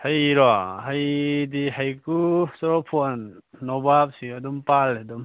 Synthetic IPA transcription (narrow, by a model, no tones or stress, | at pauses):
hajɾɔhajdiɦajkusɔɾɔpʰonːɔbap̚sidumpaldum